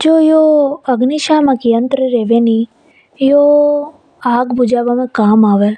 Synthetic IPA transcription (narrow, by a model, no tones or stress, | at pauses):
d͡ʒoːjoɐɡniʃaːmɐkijənt̪ɾəɾeːʋeni | jo | aːɡbud͡ʒaːʋamẽkaːmaːʋel